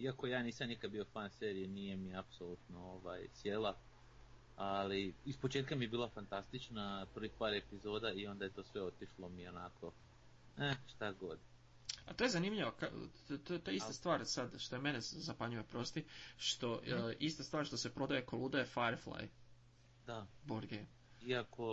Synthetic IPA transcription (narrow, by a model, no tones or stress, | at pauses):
iako̞jaːniːsamnikad̪̚bio̞faːnseːɾijeniːjemiapsolˠut̪nooʋajsjela | aliispo̞t͡ʃe̞ːt̪kamiebiːlˠafant̪ast̪it͡ʃnapɾ̩ʋixpaːɾe̞pizo̞ːd̪aio̞nd̪ajet̪o̞ːsʋe̞o̞t̪iʃlˠo̞mionakʰo̞ | ɛʃt̪aɡo̞d̪ | a̰t̪o̞jezanimʎiʋaka | t̪oet̪oeist̪ast̪ʋaːɾsad̪ʃt̪o̞jeme̞nezapaɲujo̞pɾo̞st̪iʃt̪o̞ʔist̪ast̪ʋaːɾʃt̪o̞se̞pɾo̞d̪aje̞kolˠud̪ajefajɾflˠa̰j | d̪aboɾd̪ɡejm | iako̞